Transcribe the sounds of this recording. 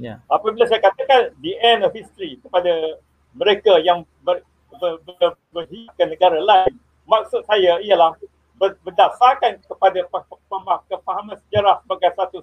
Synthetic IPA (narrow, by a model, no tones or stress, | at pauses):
apəbilasajakat̪akandiɛnɔfhist̪ɾikəpada | mə̃ɾekajaŋ | bə | bəbəbərɦiaʔ̚kanːə̃ɡaɾalaɪn | mak̚sʊt̪̚sajaialah | bəbərdasakankəpadapəmakəfaɦamãnsəd͡ʒaɾahbaɡajsat̪u